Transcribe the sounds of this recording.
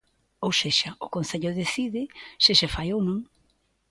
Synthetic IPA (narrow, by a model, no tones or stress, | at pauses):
owseʃɐʊkonθeʎʊðeθiðɪʃɪʃɪfajownõŋ